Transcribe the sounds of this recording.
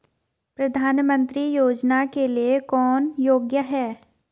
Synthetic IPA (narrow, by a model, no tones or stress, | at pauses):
pɾɐd̪ʱaːnmə̃nt̪ɾijoːd͡ʒnakeliekɔːnjoːɡjəɦɛː